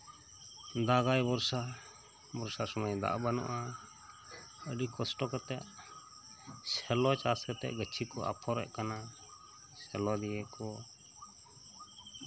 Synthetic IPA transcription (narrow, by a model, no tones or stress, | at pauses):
d̪aɡajbɔɾsa | bɔɾsasɔmajd̪a̰ʔbanɔ̰ʔa | əɖikɔsʈɔkɔt̪ɛʔ | sɛlɔt͡ʃaskɛt̪ɛ̰ʔɡət͡ʃʰikɔʔa̰pʰɔɾɛ̰ʔkana | sɛlɔd̪ijɛkɔ